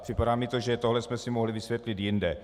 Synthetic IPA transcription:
pr̥ɪpadaːmɪt̪oʒɛt̪oɦlɛsmɛsɪmoɦlɪvɪsvjɛt̪lɪt̪jɪndɛ

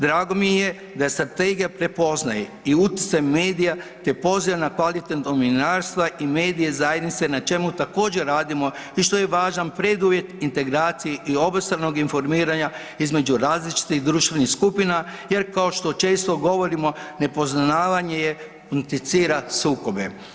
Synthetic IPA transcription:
d̪ɾaːɡo̞mieje̞ | d̪ajest̪ɾat̪eɡijapɾe̞po̞znaje | iut̪i̥t̪sajme̞ːd̪ijat̪e̞po̞ziʋanakʋalit̪et̪d̪ominaɾst̪ʋaʔime̞ːd̪ije̞zaje̞d̪nit̪se̞nat͡ʃe̞mut̪ako̞ːd͡ʑe̞ɾaːd̪imo̞ | iʃt̪o̞je̞ʋaːʒanpɾed̪uʋje̞t̪int̪e̞ɡɾaːt̪sijeʔio̞bast̪ɾano̞ɡinfo̞ɾmiːɾaɲa | izme̞d͡ʒuɾaːzlit͡ʃi̥t̪iɣd̪ɾuːʃt̪ʋe̞nixskupinaje̞ɾkao̞ʃt̪o̞t͡ʃe̞ːst̪o̞ɡo̞ʋo̞ɾimo̞ne̞po̞znnaːʋaɲe̞je̞ | unt̪it̪siːɾasuːko̞be

